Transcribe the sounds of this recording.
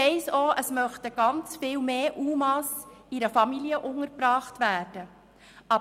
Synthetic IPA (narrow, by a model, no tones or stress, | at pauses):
ɛɪsoːʔəsmœχtəɡ̥ɑnt͡sfɪːlmeːʔuːmɑsiɾəfɑmiliəʔʊŋəɾpɾɑːχtvæːɾd̥ə | ʔɑ